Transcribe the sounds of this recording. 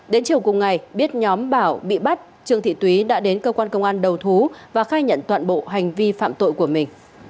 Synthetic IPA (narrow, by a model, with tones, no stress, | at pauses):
ɗe˨˦nt͡ɕi˨˩əwkʊ˨˩ŋ͡mŋa˨˩jɓi˦˥ət̚ɲɔ˨˦mɓaː˧˩wɓḭ˧˨ɓa˦˥t̚ | t͡ɕɨ˧˩əŋt̪ʰḭ˧˨t̪wi˨˦ɗa̰ː˧˥ɗe˨˦nkəː˧kwaː˧nkə˧wŋ͡mʔaː˧nɗə˨˩wt̪ʰu˨˦vaː˨˩xaː˧jɲə̰˧˨nt̪wa̰ː˧˨nɓo̰˧˨ɦa˨˩jŋ̟vi˧fa̰ː˧˨mt̪o̰˧˨jku˧˩əmï˨˩ŋ̟